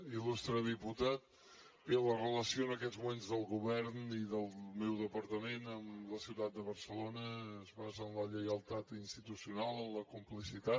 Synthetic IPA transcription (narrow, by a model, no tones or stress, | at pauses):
ilust̪ɾəðiput̪at̪̚ | belərələsioənəkɛd̪zmumenzðəlˠɣuβɛɾniðəlˠmɛwðəpəɾt̪əmenəmləsiwt̪at̪̚d̪əβəɾsəlonəːzβazənləʎɛjəlˠt̪at̪inst̪it̪usiunalˠəmləkumplisit̪at̪